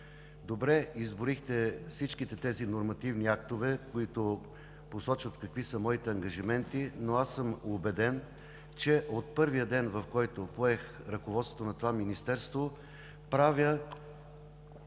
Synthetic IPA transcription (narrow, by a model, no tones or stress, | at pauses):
d̪obɾɛizboɾixt̪ɛfsit͡ʃkit̪ɛt̪ɛzinoɾmɐt̪ivniakt̪ovɛkoit̪o | posɔt͡ʃvət̪kɐkvisəmɔit̪ɛɐŋɡɐʒimɛnt̪inoasɤmobɛd̪ɛn | t͡ʃɛʔot̪̚pɤɾvijəd̪ɛnvɐfkɔjt̪opoɛx | ɾɐkovɔt̪sŏ̥t̪onɐt̪ovaminist̪ɛɾst̪vo | pɾavʲjə